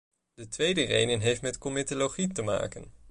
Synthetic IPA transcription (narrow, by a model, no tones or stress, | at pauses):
dətʋejdərḛjnənɦejftmɛtkɔmɪtoloχitəma̰ːkən